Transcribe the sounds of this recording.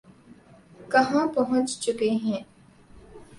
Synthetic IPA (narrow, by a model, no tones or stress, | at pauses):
kɐɦãːpɐɦʊ̃t͡ʃt͡ʃukeːɦẽ